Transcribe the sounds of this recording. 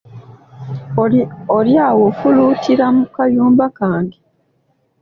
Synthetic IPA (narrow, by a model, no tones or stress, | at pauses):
oljaːwofuluːtʰiɾamukajuːmbakaːŋɡe